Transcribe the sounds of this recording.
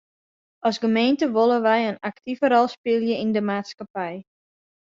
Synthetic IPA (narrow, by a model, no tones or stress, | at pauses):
ʔɔsɡəmentəʋolˠəʋɛjənaktivəɾɔlˠspɪlˠjəindəmaːtskapɛj